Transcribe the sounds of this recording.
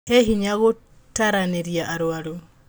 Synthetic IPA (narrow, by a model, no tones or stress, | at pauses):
heɦiɲaɣo | taɾaneɾiaʔaɾwaɾo